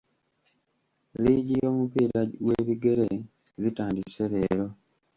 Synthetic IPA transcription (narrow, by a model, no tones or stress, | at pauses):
liːɟijo̞ːmupiːɾaweːβiɡe̞ɾe | zitaːndiseβeːɾo̞